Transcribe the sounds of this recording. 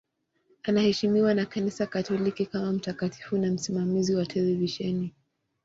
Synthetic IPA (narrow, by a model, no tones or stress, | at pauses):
anahɛʃimiwanakanisakatɔlikikamam̩takatʰi̥funam̩simamiziwatʰɛlɛviʃɛni